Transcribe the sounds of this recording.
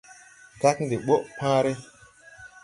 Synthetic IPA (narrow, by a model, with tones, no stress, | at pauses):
ka˦kndi˨ɓo˦ʔpã˦ɾe˦